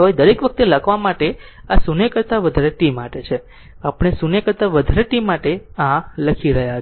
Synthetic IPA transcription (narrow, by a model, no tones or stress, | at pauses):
ʋaid̪əɾekʋək̚t̪eləkʰʋamaʈe | asunekəɾt̪aʋəd̪ʱaɾeʈimːaʈet͡ʃʰe | apɽ̃esunekəɾt̪aʋəd̪ʱaɾeʈimːaʈeãləkʰiɾəɦja